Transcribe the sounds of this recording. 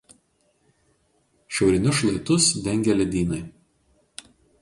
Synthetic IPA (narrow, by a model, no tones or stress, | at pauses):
ʃʲɛʊɾʲɪnʲʊʃlˠɐɪt̪ʊsd̪ʲɛŋʲɡʲɛlʲɛd̪ʲiːnɐɪ